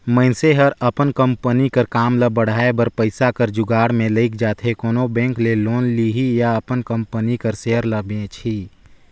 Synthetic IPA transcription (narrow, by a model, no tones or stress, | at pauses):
məɪnseɦəɾəpənkə̃mpənikəɾkaːmləbəɽ̤aːebəɾpəɪsakəɾd͡ʒʊɡaːɽmẽləɪkd͡ʒaːt̪ʰɦekoːnobɛ̃ːŋkleloːnliɦijaɐpənkə̃mpənikəɾseːəɾləbẽt͡ʃʰiː